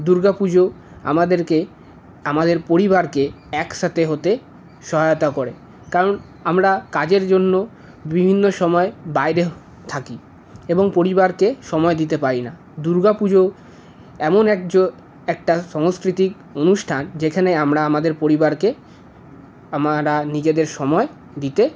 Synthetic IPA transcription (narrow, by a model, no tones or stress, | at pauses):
d̪uɾɡapud͡ʑo | a̰mad̪eɾke | amad̪eɾpoɾiβaɾke | ɛkʃat̪ʰeɦot̪e | ʃɔɦajot̪akoɾe | kaɾon | amɾakad͡ʑeɾd͡ʑonːo | bibʱinːoʃɔmɔebajɾe | t̪ʰaki | eboŋpoɾibaɾkeʃɔmɔed̪it̪epaɾina | d̪uɾɡapud͡ʑo | ɛmonɛkd͡ʑo | ɛk̚ʈaʃɔŋskɾit̪ik | onuʃʈʰand͡ʑekʰaneamɾaamad̪eɾpoɾibaɾke | amaɾanid͡ʑed̪eɾʃɔmɔe | d̪it̪e